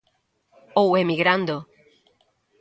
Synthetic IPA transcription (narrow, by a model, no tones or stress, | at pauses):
owemiɣɾand̪o